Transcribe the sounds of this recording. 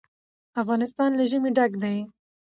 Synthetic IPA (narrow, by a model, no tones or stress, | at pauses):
afɣɑnɪst̪ɑnlaʒəmeɖaɡd̪aj